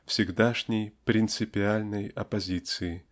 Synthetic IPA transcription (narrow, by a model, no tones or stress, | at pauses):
fsʲɪɡd̪aʂnʲɪjpɾʲɪnt̪sɨpʲɪalʲnəjɐpɐzʲit̪sɨɪ